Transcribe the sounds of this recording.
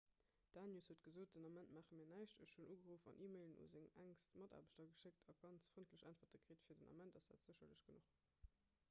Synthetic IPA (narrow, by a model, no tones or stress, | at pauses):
d̥aːnjushuːət̚ɡ̥əzoːt̚d̥ənɑmæntmaːχəmiːɐnæɪʃtəʃʃunʔuːɡəʁuːfɑ̰nʔiːmeɪlənṵzeŋæŋstmɑta̰ːbəɕtɐɡəʃek̚tʰɑɡ̥ɑnt͡sfʁintləɕʔæntfɐtəkʁ̥eːtfiːɐdənʔɑ̰mæntɑsd̥a̰ːtz̥əɕɐləɕɡ̥ənuχ